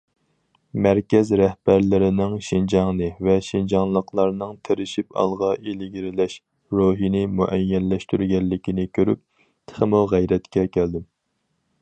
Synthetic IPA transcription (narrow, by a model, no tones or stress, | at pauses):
mæɾkʲɛzɾɛhb̥æɾlɪɾɪnɪŋʃind͡ʒɑŋnɨvɛʃind͡ʒɑŋlˠəqʰlˠɑɾnɨŋt̪ʰeɾɪʃipʰɑ̰lˠʁɑʔelɪɡʲiɾɪlɛʃ | ɾoɦinɪmuʔɛjːɛlːɛʃt̪yɾɡʲɛlːɪkʲinɪkʲʰøɾy̰p̚ | t̪ʰχəmuʁæjɾɛt̪kʲɛkʲʰæld̪ɪm